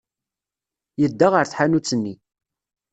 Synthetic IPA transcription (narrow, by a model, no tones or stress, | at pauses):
jəd̪ːaʁəɾθħanut͡sːənːi